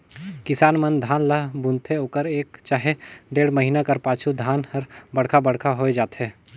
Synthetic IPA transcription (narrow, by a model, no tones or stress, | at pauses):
kɪsaːnmənd̪ʱaːnləɦbũnt̪ʰeoːkəɾeːkt͡ʃaːɦeɖeːɽməɦinakɐɾpaːt͡ʃʰud̪ʱaːnhɐɾbɐɽ̤kʰabəɽ̤kʰaɦoːed͡ʒaːt̪ɦɛː